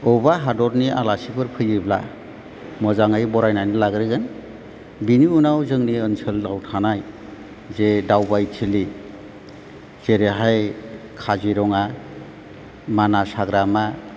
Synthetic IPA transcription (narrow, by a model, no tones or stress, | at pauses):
ɔwbaɦadɔɾnia̰lasibɯɾpʰɯjibla̰ | mɔzaŋajbɔɾajnajnilaɡɾiɡɯn | biniunawzɯŋniənsɯldawtʰanaj | zedawbajtʰili | z̥eɾeɦajkʰaziɾɔŋa | manasaɡɾama